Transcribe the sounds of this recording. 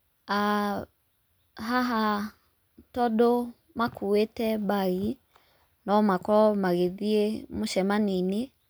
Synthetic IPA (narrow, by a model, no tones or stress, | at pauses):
a | ɦaɦa | tɔɗɔ | makʰuetɛbai | nɔmakɔmaɣeðiemuʃɛmanini